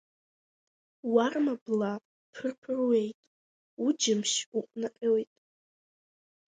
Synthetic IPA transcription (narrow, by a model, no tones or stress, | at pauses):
warmabla | pʰɨrpʰrwejtʼ | ud͡ʒɪmʃuqʷʼnaqʲʼewtʼ